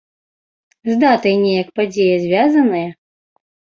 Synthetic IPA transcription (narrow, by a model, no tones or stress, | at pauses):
zd̪at̪ɐjnʲɛjɐkpad͡zʲejɐzʲvʲazɐnɨjɐ